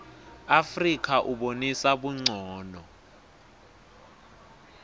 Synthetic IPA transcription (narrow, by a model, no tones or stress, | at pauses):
afrik̬ʰʼaʔuɓonisaɓuŋ͡ǀʱɔːnɔ